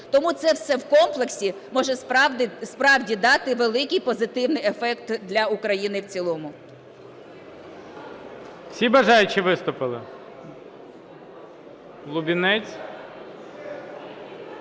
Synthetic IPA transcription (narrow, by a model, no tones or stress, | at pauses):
t̪ɔmut̪sɛwsɛwkɔmplˠeksʲi | mɔʒɛsp̪spɾɑwdʲid̪ɑt̪ɪʋelˠɪkɪjpɔzɪt̪ɪwnɪjefɛkt̪d̪lʲɐukɾɐjinɪwt͡sʲilˠɔmʊ | sʲibɐʒɑjʊt͡ʃiʋɪst̪ʊpɪlˠɪ | lˠʊbʲinɛt͡sʲ